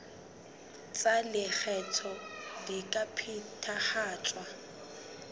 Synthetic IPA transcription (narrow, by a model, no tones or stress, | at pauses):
t͡sʼalɪk͡xʰɛt͡sʰɔdikʼapʰitʰaχaːt͡ʃʼwa